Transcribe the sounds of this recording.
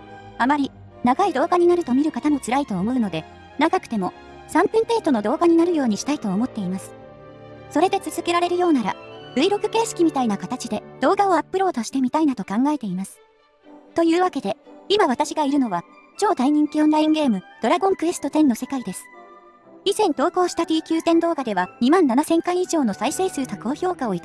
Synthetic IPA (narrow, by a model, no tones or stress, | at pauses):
amaɾʲi | naɡaid̪o̞ːɡaɲ̟inaɾɯ̟t̪o̞mʲiɾɯ̟kat̪ano̞t͡sɨɾait̪o̞ːmo̞ɯ̟no̞d̪e̞ | naɡakɯ̟t̪e̞mo̞ | sãmpɯ̃me̞ːt̪o̞no̞d̪o̞ːɡaɲ̟inaɾɯ̟jo̞ːɲ̟iɕi̥t̪ait̪o̞ːmo̞t̪ːe̞imasɨ̥ | so̞ɾe̞d̪e̞t͡sɨzɨke̞ɾaɾe̞ɾɯ̟jo̞ːnaɾa̰ɾɯ̟iɾo̞kɯ̟̥ke̞ːɕi̥kʲimʲit̪ainakat̪at͡ɕid̪e̞d̪̥o̞ːɡao̞apːɯ̟ɾo̞ːt̪o̞ɕi̥t̪e̞mʲit̪ainat̪o̞kãŋɡae̞t̪e̞imasɨ̥ | t̪o̞jɯ̟ːβake̞d̪e̞imaβat̪aɕiɡaiɾɯ̟no̞βa | t͡ɕo̞ːt̪aiɲ̟ĩŋkʲiõnɾaĩŋɡe̞ːmɯ̟d̪̥o̞ɾaɡõ̞ŋkɯ̟e̞sɨ̥t̪o̞t̪ẽ̞nːo̞se̞kaid̪e̞sɨ̥ | izẽ̞nd̪o̞ːkoːɕi̥t̪at̪ʲiːkʲɨːt̪ẽ̞nd̪o̞ːɡad̪e̞βaɲ̟imãnːanasẽ̞ŋkãɰ̃iʑo̞ːno̞saise̞ːsɨːt̪ako̞ːço̞ːkao̞it̪